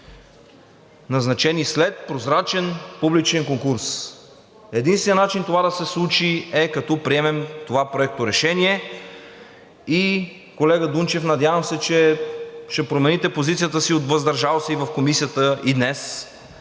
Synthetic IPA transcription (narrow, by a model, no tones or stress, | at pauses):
nɐznɐt͡ʃɛnislɛt̪̚pɾozɾat͡ʃɛnpublit͡ʃɛŋkoŋkuɾs | ɛd̪inst̪vɛjənat͡ʃint̪ovad̪ɐsɛslˠut͡ʃiɛkɐt̪ɔpɾiɛmɛmt̪ovapɾoɛk̚t̪oɾɛʃɛniɛ | i | kolɛɡəd̪unt͡ʃɛfnɐd̪javəmsɛt͡ʃɛʃt̪ɛpɾomɛnit̪ɛpozit̪sijət̪əsiot̪vɐzd̪ɐɾʒalˠsɛivɐfkomisijət̪əid̪nɛs